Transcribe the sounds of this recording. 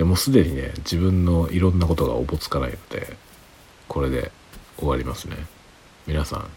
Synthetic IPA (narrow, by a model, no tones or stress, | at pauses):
d̪e̞mo̞sɨd̪e̞ɲ̟ine̞̰d͡ʑibɯ̟̃nːo̞iɾõ̞nːako̞t̪oɡa̰o̰bo̞t͡sɨ̥kanaino̞d̪̥e̞̰ | kʰo̞ɾe̞d̪e̞̰ | oɡaɾʲimasɨne̞ | mʲinasã̰ŋ